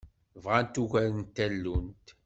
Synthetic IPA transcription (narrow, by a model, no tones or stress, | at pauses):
vʁant̪uʝæɾənt̪ːælːunt̪